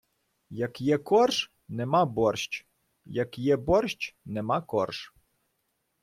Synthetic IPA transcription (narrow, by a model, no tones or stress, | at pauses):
jɐkjɛkɔrʒ | nɛmabɔrʃt͡ʃ | jɐkjɛbɔrʃt͡ʃnɛmakɔrʒ̥